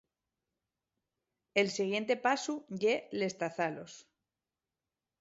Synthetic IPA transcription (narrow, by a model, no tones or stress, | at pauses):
e̞lsiɣ̞je̞nt̪e̞pasuʝele̞st̪aθalo̞̰s